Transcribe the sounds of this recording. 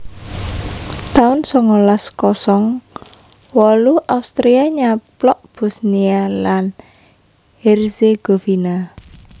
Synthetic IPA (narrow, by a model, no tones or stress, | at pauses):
t̪aʊnsɔŋɔlaskɔsɔŋ | wɔluʔaust̪ɾiaɲaplɔʔb̥ɔsnialan | hɛrseɡ̥ofina